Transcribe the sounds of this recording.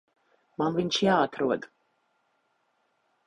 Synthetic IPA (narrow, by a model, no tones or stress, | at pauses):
mamvint͡ʃʰiaːt̪ʰɾua̰d̪